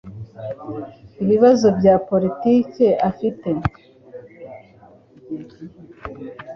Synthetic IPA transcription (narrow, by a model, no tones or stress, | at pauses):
iβiβazo̞bɟaːpo̞ɾitiːce̞ʔafite̞